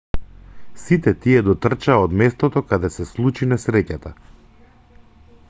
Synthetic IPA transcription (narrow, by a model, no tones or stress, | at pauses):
sit̪ɛt̪iɛd̪ɔt̪r̩t͡ʃaːod̪mɛst̪ɔt̪ɔkad̪ɛsɛslˠut͡ʃinɛsɾɛcat̪a